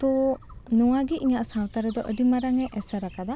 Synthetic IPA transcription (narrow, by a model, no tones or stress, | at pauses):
t̪ɔ | nɔwaɡiiɲaʔsawt̪aɾɛd̪ɔʔəɖimaɾaŋɛʔɛsaɾakad̪a